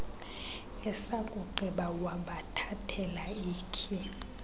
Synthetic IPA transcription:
ɛsakʼuǃʱiɓawaɓatʰatʰɛlaiːkʰi

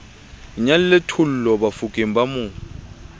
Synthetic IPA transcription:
iɲalɪletʰul̩lɔbafukʼem̩bamʊːŋ

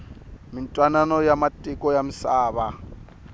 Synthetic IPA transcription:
mintʼwananɔjamatʼikɔjamisaːβa

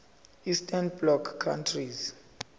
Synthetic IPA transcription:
istʰʼanblɔkʰːantʰriz

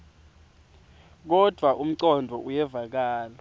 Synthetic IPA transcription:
k̬ɔd̥ʱwaʔum̩ǀɔndʱɔʔujɛvak̬aːlɔ

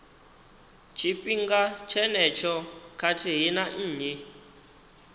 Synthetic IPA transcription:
t͡ʃʰipʼiŋɡat͡ʃʰɛnɛt͡ʃʰɔkʰatʰiɦinan̩ːɲɛ

